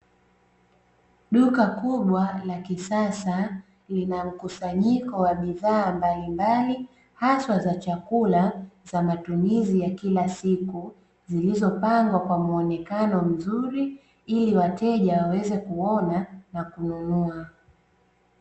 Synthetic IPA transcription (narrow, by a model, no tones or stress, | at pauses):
ɗukakuɓwalakisasa | linam̩kusaɲikɔwaɓiðaːmbalimbali | haswazat͡ʃakulazamatumizijakilasiku | zilizɔpaŋɡwakwamuɔnɛkanɔm̩zuɾi | iliwatɛʄawawɛzɛkuɔnanakununua